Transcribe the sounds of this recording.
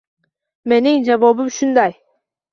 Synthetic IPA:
me̞niŋd͡ʒavobumʃund̪ɑj

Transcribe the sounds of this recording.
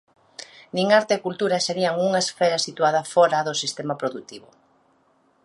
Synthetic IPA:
nĩŋaɾt̪eːkult̪uɾɐseɾiɐŋuŋɐesfɛɾɐsit̪uað̞ɐfɔɾɐðʊsist̪emapɾoðut̪iβʊ

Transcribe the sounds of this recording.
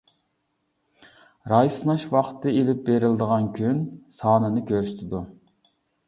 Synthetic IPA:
ɾɑjsnɑʃwɑχt̪ʰːɨelɪp̚beɾɪld̪əʁɑnkʲʰynsɑːnɨnɨkʲʰøɾsy̥t̪ʰɪd̪u

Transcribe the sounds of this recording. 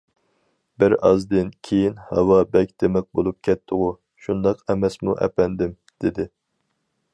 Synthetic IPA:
bɪɾɑ̰zd̪ɨnkʲʰejinhɑ̰wɑbɛk̚ʲd̪̥emɛk̚ʲbolˠup̚kʲʰɛt̪ʰːɨʁʊ | ʃund̪ɑqɛmɛsmuʔɛ̰pɛnd̪ɪm | d̪̥ɪd̪ɪ

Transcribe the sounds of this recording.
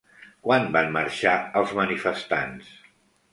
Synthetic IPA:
kwanbanməɾʃaəlˠzmənifəst̪ans

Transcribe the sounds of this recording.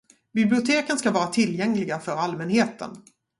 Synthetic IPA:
bɪblɪʊt̪ʰeːkənskavɑːɾat̪ʰɪljɛŋlɪɡafœɾalmɛnheːt̪ʰə̰n

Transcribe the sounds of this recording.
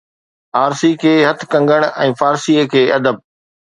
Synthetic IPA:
aːɾsikʰeːɦɐt̪ʰkɐ̃ŋɡəɽ̃ɛ̃ːfaːɾsiːəkʰeːɐd̪əb̚

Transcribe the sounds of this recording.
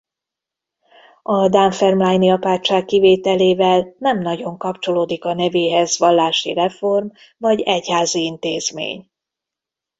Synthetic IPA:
ɒd̪aɱfɛrmlajniɒpaːt͡ʃaːkːiveːt̪ɛleːvɛlnɛmnɒɟo̞ŋkɒpt͡ʃo̞loːd̪ikɒnɛveːɦɛzʋɒlːaːʃḭrɛfo̞rm | vɒɟɛchaːziint̪eːzmḛːɲ

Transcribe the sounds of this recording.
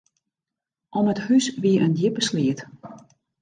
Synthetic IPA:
ʔɔməthysʋiəʔəndjɪpəsliət

